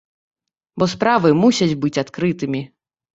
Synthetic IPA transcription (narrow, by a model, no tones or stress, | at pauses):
bɔspɾavɨmusʲɐd͡zʲbɨt͡sʲat̪kɾɨt̪ɨmʲi